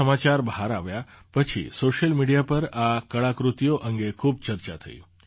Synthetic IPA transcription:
əmat͡ʃaɾbəɦaɾaʋja | pət͡ʃʰḭsoʃəlmiɽijapəɾakəɭakɾut̪ijoʔəŋɡekʰub̚t͡ʃəɾt͡ʃa̰t̪ʰə̰jṵ̃

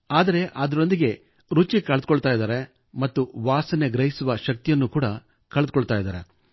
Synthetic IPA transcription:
aːd̪ɐɾe̞ʔɐd̪ɐɾo̞nd̪iɡe̞ | ɾut͡ʃikɐɭd̪ukoɭt̪aːjid̪aːɾe̞ | mɐt̪ːuʋaːsɐneɡɾɐɦisuʋɐʃɐk̚t̪ijɐnːukuːɽɐ | kɐɭɐd̪ukoɭt̪aːjd̪a̰ːɾe̞

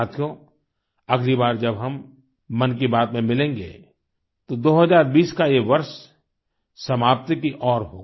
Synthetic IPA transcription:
aːt̪ʰijõ | ɐɡlibaːɾd͡ʒɐbɦɐmː | ɐnk̬ibaːt̪mẽmɪlẽːŋɡḛː | t̪od̪oːɦɐzaːɾbiːskajeʋɐɾʃ | sɐmaːp̚t̪kiʔɔːɾɦo̰ː

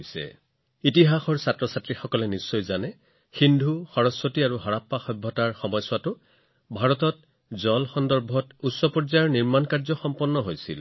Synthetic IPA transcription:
jsɛ̰ | itiɦaxɔɹsatɹɔsatɹixɔkɔlɛnisːɔjzanɛ | xindʱuxɔɹɔsotiaɹuɦɔɹapːaxɔjbʱːɔtaɹxɔmɔjswatʊ | bʱaɹɔtɔt | zɔlxɔndɔɹbʱɔtusːɔpɔɹzaɹniɹmankaɹzɔxɔmpɔnːɔɦojsḭl

